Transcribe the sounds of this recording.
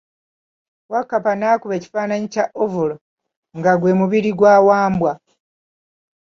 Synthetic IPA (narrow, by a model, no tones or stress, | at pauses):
wakapanaːkuβeci̥faːnaɲicaʔovulo | ŋɡaɡwe̞ːmuβiɾiɡwaːwaːmbwa